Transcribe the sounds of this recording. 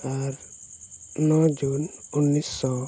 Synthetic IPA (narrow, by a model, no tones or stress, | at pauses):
aɾ | nɔd͡ʒonunːisɔ